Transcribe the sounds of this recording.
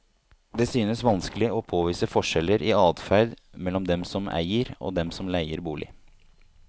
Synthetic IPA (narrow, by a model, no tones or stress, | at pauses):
d̪ɛsyːnəsʋɑnskəlɪɔpʰoːʋiːsəfɔʂɛləɾɪɑːd̪fæɾd̪ | mɛlːɔmd̪ɛmsɔmæ̰ɪəɾo̰ːd̪ɛmsɔmlæɪəɾbuːlʔɪ̰